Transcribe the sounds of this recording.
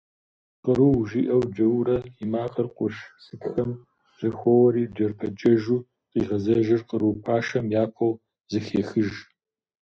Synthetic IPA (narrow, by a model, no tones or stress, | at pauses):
qəɾuːʒiʔɐwd͡ʒɐwɾɐimaːqɐrqʷʊʃsɨtxɐm | z̥ɐxʷɔwɐɾiːd͡ʒɐrpʰɐd͡ʒʼɐʒuː | qiːʁɐzɐʒɐrqəɾuːpʰaːʃɐmjaːpʷʰɐw | zɨxeːxɨʒ